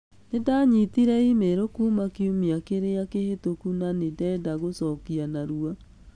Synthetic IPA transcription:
nedaɲit̪iɾɛimeɾokuːmakiumiakeɾeakehetokunanedɛːdaɣosɔːkianaɾua

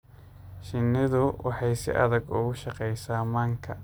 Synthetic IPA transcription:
ʃɪnɪðʊwʔɑħɑjsɪ̰ʔɐ̰ðɐɡʊɣʊʃɑqɛjsaːmaːŋkʰɐ

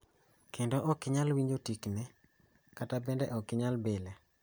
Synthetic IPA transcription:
kendoʔɔkɪɲalwiɲd͡ʒotiknɛ | katabɛndɛʔɔkɪɲalbelɛ

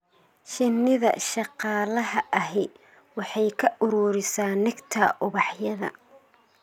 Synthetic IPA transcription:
ʃɪnːɪðɐ̰ʃɑqɑːlɐɦɐʔɐɦɪ | wɑħɑjkʰɐʔʊɾuːɾɪsaːnːɪɡt̪ʰɐʔʊβɑħjɐðɐ̰

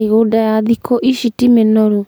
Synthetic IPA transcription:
iɣudajaðikʰoʔisitimenɔɾu

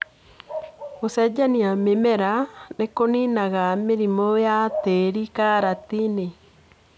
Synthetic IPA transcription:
osɛd͡ʒaniamemɛɾanekoninaɣameɾimojateɾikaɾatine

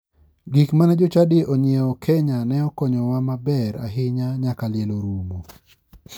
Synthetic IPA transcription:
ɡikmanɛd͡ʒʊt͡ʃadɪʔɔɲɪeɔkʰɛɲanɛɔkɔɲɔwamabɛɾa̰ɦɪɲaɲakalɪeloɾumo

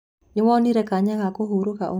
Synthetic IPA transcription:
ɲɪwɔniɾɛkaɲaŋakoɦoɾokaʔo

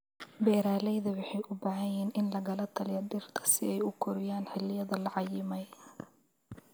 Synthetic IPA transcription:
bɛːɾaːlɛjðɐwɑħɑjʔʊbɐːʕɐjiːnʔɪnlɐɣɐlɐt̪ʰɐljɐd̪ɪrt̪ʰɐ̥sɪɛjʊkʰɔɾɪjaːnħɪlɪjɐðɐlɐʕɑjɪmɛj

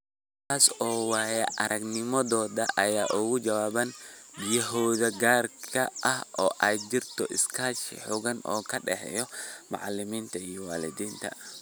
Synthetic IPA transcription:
t̪ʰaːsɔːwaːjɐʔɐɾʔɐɡnɪmɔðɔːðɐʔɐjaːʔʊɣʊd͡ʒɐwaːβɐnbɪjɐɦɔːðɐɡaːrkʰɐʔɐhʔɔːʔaːd͡ʒɪrt̪ʰɔʔɪskʰaːʃɪ̰ħʊɣɐnɔ̰ːkʰɐɖɛħɛ̰jɔmɑ̰ʕɑlːɪmiːnt̪ʰɐijɔwa̰ːlɪ̰d̪iːnt̪ʰɐ̰

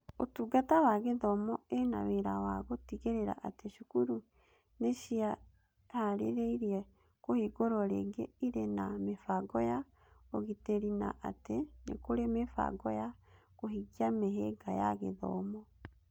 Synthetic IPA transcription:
o̰tuɡatawaɣeðɔmɔena̰weɾawaɣotiɣeɾeɾa̰ʔateʃukuɾu | neʃia | haɾḛɾeiɾiɛ | kohiɡoɾɔɾḛɡeiɾenamefaɡɔja | oɣiteɾina̰ʔatenḛkoɾemefa̰ɡɔja | koɦiɡiameɦeɡaja̰ɣḛðɔ̰mɔ

